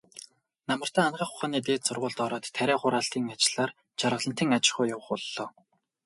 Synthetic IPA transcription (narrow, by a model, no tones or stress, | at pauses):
namə̆r̥t̪æːanɢaːχʊ̥χaːniːt̪eːt̪sʊrʁʊːɮt̪ɔɾɔːt̪ʰːæɾʲæːχʊɾaːɬt̪iːŋat͡ɕɪ̆ɮ̥aːr | t͡ɕʰaɾʁə̆ɮə̆nt̪iːŋat͡ɕɪ̆χʊːjʊwə̆χʊɮːɔː